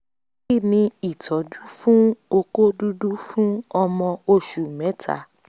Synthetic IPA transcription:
i˦˨nĩ˧i˨tʰɔ˨˦du˦fũ˦o˧ko˦du˦du˦fũ˦ɔ˧mɔ̃˧o˧ʃu˨mɛ̃˨˦tʰa̰˨

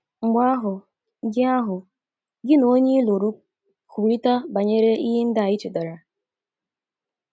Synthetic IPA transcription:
ŋ͡m̩˨ɡ͡ba˦ɦʊ˨ | ɡɪ˦a˦ɦʊ˨ | ɡɪ˦no˦ɲe˦lo˨ɾu˦ | ku˨ɾi˦ta˦ba˨ɲe˦ɾe˦ʔi˦ɦi˦n̩˦da˦˨i˦t͡ʃe˨da˨ɾa˨

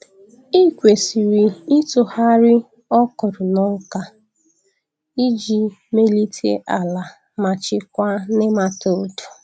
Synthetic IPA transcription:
i˦kʷe˨si˨ɾi˨i˦tʊ˨ha˦ɾɪ˦ | ɔ˦kɔ˨ɾʊ˨nɔ˦ka˦ | i˦d͡ʒi˨me˦li˦tʰḛ˦ʔa˨la˨ | ma˨t͡ʃɪ˦kʷa˦nɪ˦ma˦to˦˨o˦tu̥˨

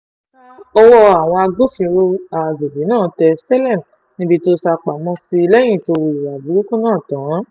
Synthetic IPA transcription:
ɔ˧wɔ˧a˨w̃ɔ̃˧a˧ɡo˦fĩ˧ɾo˧a˧˨ɡe˨bi˨˦nãː˦˨tɛ˧sɛ˦lɛ˦˨m˨ | nĩ˧˦bi˧to˦sa˧k͡pa˨mɔ̃˧si˧lɛ˦j̃ĩ˦˨to˧ɾi˨wa˨bu˨˦ɾu˦kũ˦nãː˦˨tã˨˦

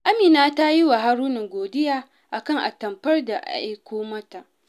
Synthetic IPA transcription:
ʔa˦miː˨naː˦ta˦ji˦wa˨ɦa˦ɾuː˦nɪ˨ŋɡʷoː˨dɪ˦jaː˦ | ʔa˨kɐ˦ŋʔa̰˨tɐ˨mpɐ˦rda˨ʔa̰˦jkʷoː˦mɐ˦ta˨ʔ

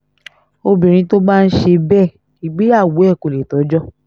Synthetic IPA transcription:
o˧bĩ˨ɾ̃ĩ˧˦to˦ba˦n̩˦ʃe˧bɛ˦˨ | i˨ɡ͡bi˨˦a˦˨wu˨˦ɛ˦˨ko˨le˨tɔ˨˦d͡ʒɔ˦

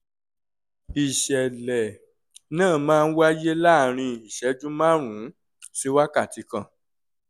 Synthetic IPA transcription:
i˨ʃɛ˨lɛ˨ | nãː˦˨mãː˦˧n̩˦wa˦je˦la˦˨ɾ̃ĩ˧i˨ʃɛ˨˦d͡ʒũ˦mã˦˨ɾ̃ũ˨˦ | si˦wa˦ka˦˨ti˧kã˧˨

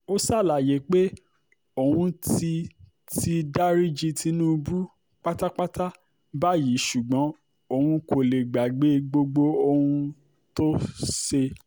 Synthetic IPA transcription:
o˦sa˦˨la˨je˨˦k͡pe˦ | o˨hũ˧ti˧ | ti˧da˦ɾi˦d͡ʒi˧tʰi˧nũː˦bu˦ | k͡pa˦ta˦k͡pa˦ta˦ | ba˦ji˨˦ʃu˨ɡ͡bɔ̃˨˦ | o˧˨hũ˧ko˨le˨ɡ͡ba˨ɡ͡be˨˦ɡ͡bo˧ɡ͡bo˧o˧hũ˧ | to˦se˧

